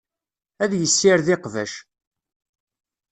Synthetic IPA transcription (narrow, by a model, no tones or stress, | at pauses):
æðjəsːɪɾðɪqvæ̰ʃ